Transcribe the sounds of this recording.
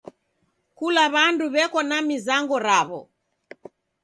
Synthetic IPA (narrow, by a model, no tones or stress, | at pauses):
kulaβanduβɛkɔnamizaŋɡɔɾaβɔ